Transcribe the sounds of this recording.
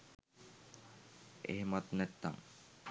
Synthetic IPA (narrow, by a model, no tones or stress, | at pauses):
ḛɦemat̪nɛt̪ːa̰ŋ